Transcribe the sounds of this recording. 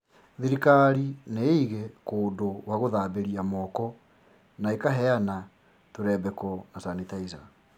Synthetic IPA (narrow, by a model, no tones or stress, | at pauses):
ðiɾikaɾineiɣekoːndowaɣoðaːbeɾiamɔːkɔ | naekaɦɛana | toɾɛbɛkɔnasanetaiza